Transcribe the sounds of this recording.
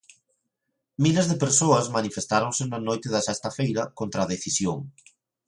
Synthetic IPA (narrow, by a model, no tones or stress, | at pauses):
milezðepeɾsoɐzmanifest̪aɾoŋsɪnɐnojt̪ɪðɐsɛst̪ɐfejɾɐkont̪ɾɐðeθisjoŋ